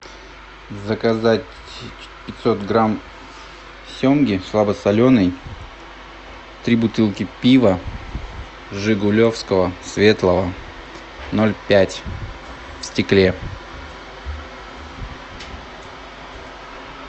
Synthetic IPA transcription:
zəkazatʲ | pʲɪt̪so̞t̪ɡɾam | sʲomɡʲɪslˠabəsɐlʲo̞nəj | t̪ɾʲibʊt̪ɨlˠkʲɪpʲivə | ʐɨɡʊlʲo̞fskəvəsvʲe̞t̪lˠəvə | no̞lʲpʲætʲ | fsʲtʲɪklʲe

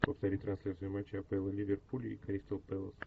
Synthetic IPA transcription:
pəft̪ɐɾʲit̪ʲt̪ɾɐnslʲat̪sɨjʊmat͡ɕːɪɐpɛlˠəlʲivʲerpulʲḭːkɐɾʲist̪əlˠpɛlˠəs

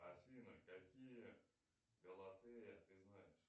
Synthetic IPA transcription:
asʲinəkakʲijə | ɡəlˠɐt̪ɨjəjat̪ɨznajɪʂ

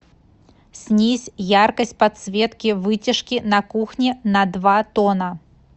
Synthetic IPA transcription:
sʲnʲisʲjarkɐsʲt̚ʲpɐt̪svʲɛt̪kʲivɨt͡sʲiʂkʲinɐkuxnʲinɐd̪vat̪ɔnɐ

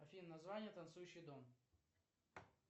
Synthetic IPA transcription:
ɐfʲinnɐzvanʲɪjət̪ɐnt̪sujʉɕːɪjd̪om

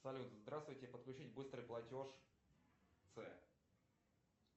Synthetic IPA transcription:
sɐlʲut̪zd̪ɾast̪vʊjtʲɪpət̪klʲʉt͡ɕitʲbɨst̪ɾɨjplˠɐtʲo̞ʂ | t̪sɛ

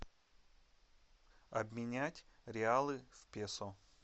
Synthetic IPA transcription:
ɐbmʲɪnʲætʲɾʲɪalˠɨfʲpʲeso

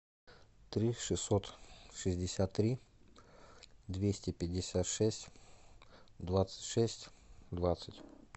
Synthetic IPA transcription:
t̪ɾʲiʂɨsːot̪ʂɨzʲdʲɪsʲat̪ːɾʲi | d̪vʲesʲtʲɪpʲɪdʲɪsʲat̪ʂɛsʲtʲ | d̪vat̪sə̥tʲʂɛsʲtʲ | d̪vat̪sətʲ

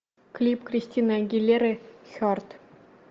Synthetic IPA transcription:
klʲipkrʲisʲtʲinaɡʲilʲːerʲɘ̆xʲɔrt̪

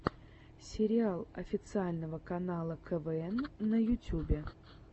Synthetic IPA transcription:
sʲɪɾʲɪalˠɐfʲɪt̪sɨalʲnəvəkɐnalˠəkʰəvɛɛnːəjʊtʲubʲɪ

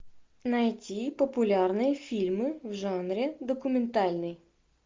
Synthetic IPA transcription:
nɐjtʲipɔpʊlʲarnɨjɐfʲilʲmɪwʒanɾʲɛd̪ɔkʊmʲɛnt̪alʲnɪj

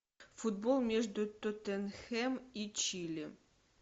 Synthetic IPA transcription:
fud̪̚bolˠmʲeʐd̪ʊt̪ot̪enxɛmit͡ɕilʲi

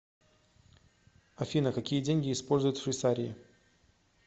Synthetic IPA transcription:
ɐfʲinəkɐkʲijədʲenʲɡʲɪːspo̞lʲzʊjʊt̪fʲɪsaɾʲɪɪ̰

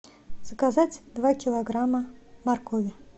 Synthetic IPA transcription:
z̥əkazatʲd̪vakʲɪlˠɐɡɾaməmɐrkovʲɪ

